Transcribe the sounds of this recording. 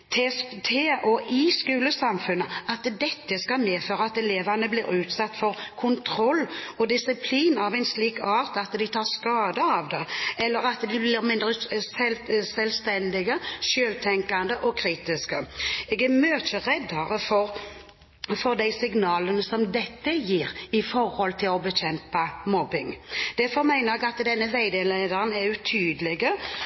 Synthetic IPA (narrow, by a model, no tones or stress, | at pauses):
t̪ʰet̪ʰeːʔɔʔɪskʉːləsɑmfʉnːəɑt̪d̪ɛt̪ːəskɑlmeːføːɾəɑt̪ɛleːʋɑnəblɪːɾʉːt̪sɑt̪ːfɔɾkʰʊnt̪ʰɾɔlːɔd̪ɪsɪpʰliːnɑʋæɪnsliːkɑːʁt̪ɑt̪d̪ɪt̪ʰɑːʁskɑːd̪əɑʋd̪ɛɛlːəɾɑt̪d̪ɪblɪɾmɪnd̪ɾəɛlsɛlst̪ɛnd̪ɪɡəʃøːlt̪ʰɛŋkand̪əʔɔkʰɾiːt̪ɪskəɛːɡæɾmøːt͡ʃəɾɛd̪ɑɾəfɔɾ | fɔʁd̪æɪsɪɡnɑːlənəsɔmd̪ɛt̪ːəjiːɾɪfɔɾhɔlt̪ʰɪlɔbəɕɛmpɑmɔbɪŋd̪̥æɾfɔɾmæɪnəɾɛɡɑt̪d̪ɛnːəʋæɪd̪ɛleɪd̪əʁənæɾʉt̪ʰyːd̪əlɪɡə